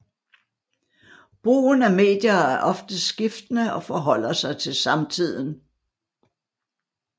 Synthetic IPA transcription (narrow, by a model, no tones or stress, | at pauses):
b̥ʁṵːnæme̝̰ːd̥jɐːæɐʔɒ̽fd̥əsɡ̥ifd̥ənəʔɒ̽fɒɦɒ̽l̰ɐsɑ̈ɪt͡sʰe̝lsɑ̈mt͡sʰið̰ˠn̩